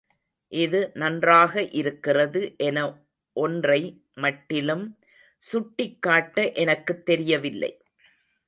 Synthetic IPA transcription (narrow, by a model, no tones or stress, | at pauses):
ʔɪðɯnɐndraːɣɐʔɪɾɯkːɪrɐðɯʔɛnɐ | ʔɔndrɐɪ | mɐʈːɪlɯm | sʊʈːɪkːaːʈːɐʔɛnɐkːɯt̪ːɛɾɪjɐʋɪlːɐ̰ɪ